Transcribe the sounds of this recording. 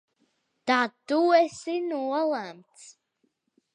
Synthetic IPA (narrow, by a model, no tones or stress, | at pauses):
d̪̥at̪ːuɛsinuɔlˠæmt̪s